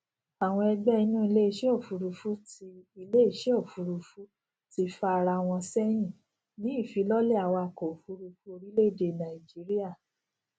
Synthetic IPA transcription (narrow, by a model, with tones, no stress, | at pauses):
a˨w̃ɔ̃˧ɛ˧ɡ͡bɛ˦i˧nũ˦i˧le˦i˧˦ʃe˦o˦˨fu˧ɾu˧fu˦ti˧i˧le˦i˦˨ʃe˦o˦˨fu˧ɾu˧fu˦ | ti˧fa˦˧ɾa˧w̃ɔ̃˧sɛ˦j̃ĩ˦˨ | nĩ˨˦i˦˨fi˧˦lɔ˦lɛ˦˨a˧˨wa˧ko˨fu˧˦ɾu˧fu˧˦o˧ɾi˦le˦˨de˨nã˨i˨d͡ʒi˨˦ɾi˦a˦˨